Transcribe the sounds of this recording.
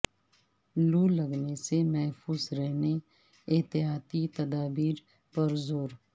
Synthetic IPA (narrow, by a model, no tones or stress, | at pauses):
lulɐɡnesemɛɦfʰuːzɾɛɦne | ɪt̪ɪɦaːt̪it̪ɐd̪aːbiːɾ | pɐɾzoːɾ